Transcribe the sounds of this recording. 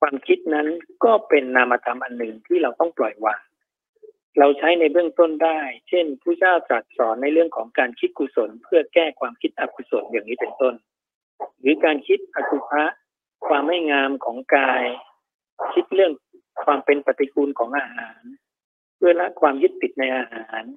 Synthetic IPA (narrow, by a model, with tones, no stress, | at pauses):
kʰwaː˧mkʰi˦˥t̪̚na˦˥nkɔː˥˩pe˧nːaː˧mːa˧t̪ʰa˧mʔa˧nːɯ˨˩ŋt̪ʰɯː˧˩ɾa˧wt̪ɔ˥˩ŋplɔ˨˩jwaː˧˩ŋ | ɾa˧wt͡ɕʰa˦˥jna˧jbɯ˥˩əŋt̪o˥˩ndaː˥˩jt͡ɕʰe˥˩npʰuː˥˩t͡ɕaː˥˩wta˨˩t̪̚sɔː˩˦nːa˧jlɯ˥˩əŋkʰɔː˩˦ŋkaː˧nkʰi˦˥t̪̚kʰuː˧so˩˦npʰɯ˥˩ɐkɛː˥˩kʰwaː˧mkʰi˦˥t̪̚ʔa˧p̚ʰu˧so˨˩t̪̚jaː˨˩ŋniː˦˥pe˧nt̪o˥˩n | ɾɯː˩˦kaː˧nkʰi˦˥t̪̚ʔa˧k̪ʰu˧pʰa˦˥ʔ | kʰwaː˧mːa˥˩jŋaː˧mkʰɔː˩˦ŋkaː˧j | kʰi˦˥t̪̚ɾɯ˥˩əŋ | kʰwaː˧mpe˧npa˧t̪ːi˧˦kʰuː˧nkʰɔː˩˦ŋʔaː˧ɦaː˩˦n | pʰɯ˥˩ɐla˦˥ʔkʰwaː˧mju˦˥t̪ːi˨˩t̪̚na˧jʔaː˧haaː˩˦n